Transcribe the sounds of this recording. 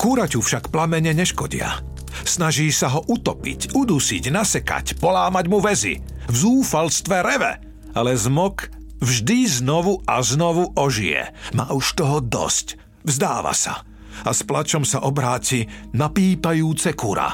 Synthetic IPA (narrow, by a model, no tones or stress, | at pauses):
kuɾacufʃakplamɛɲɛɲɛʃkɔɟḭa̰ | snaʒiːsaɦɔʔut̪ɔpḭcud̪usiɟnasɛka̰cpɔlaːmaɟmuʋɛzḭ | vzuːfalst̪ʋɛɾɛʋɛ̰ | alɛzmɔk | vʒd̪iznɔʋuaznɔʋuʔɔʒijɛ̰ma̰ːuʃt̪ɔɦɔd̪ɔ̰sc | vzd̪aːʋa̰sa̰ | asplat͡ʃɔmsaʔɔbɾaːcinapiːpajuːt͡sɛkuɾa̰